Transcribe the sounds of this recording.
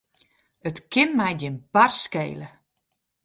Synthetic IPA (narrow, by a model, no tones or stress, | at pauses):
ətkʰɪnmɛjdɪnbarskḛːlə